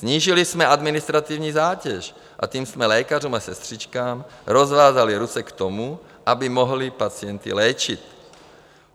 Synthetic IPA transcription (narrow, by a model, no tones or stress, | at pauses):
zɲiːʒilismɛad̪mɪnist̪ɾat̪ivɲiːzaːcɛʃ | ʔa̰c̪iːmsmɛlɛːkaruːmasɛst̪r̝̥it͡ʃkaːmɾozvaːzaliɾut͡sɛkt̪omu | ʔabimoɦlipat͡siɛnt̪ḭlɛːt͡ʃit̪